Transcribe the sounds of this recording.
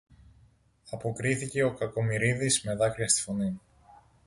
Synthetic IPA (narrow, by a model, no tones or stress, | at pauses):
ɐpo̞kɾiθice̞o̞kɐko̞miɾiðizme̞ðɐkɾiɐst̪i̥fo̞ni